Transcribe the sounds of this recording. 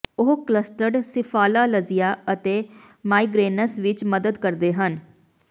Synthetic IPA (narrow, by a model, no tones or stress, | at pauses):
ʊɦkləsʈəɾɖsɪpʰaːlaːləzɪjaːət̪eː | maːiːɡɾeːnəsʋɪt͡ʃməd̪əd̪kəɾd̪eːɦən